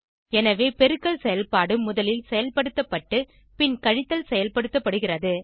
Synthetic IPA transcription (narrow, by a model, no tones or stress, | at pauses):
ɛnɐʋeːpɛɾɯkːɐɭsɛjɐlpaːɽɯmʊðɐlɪlsɛjɐlpɐɽɯt̪ːɐpːɐʈːɯ | pɪnkɐɻɪt̪ːɐlsɛjɐlpɐɽɯt̪ːɐpːɐɽɯɣɪrɐðɯ